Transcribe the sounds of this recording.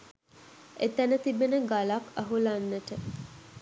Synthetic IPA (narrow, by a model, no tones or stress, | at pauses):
ʔet̪ænət̪ibenəɡɐlakːɐɦulanːəʈə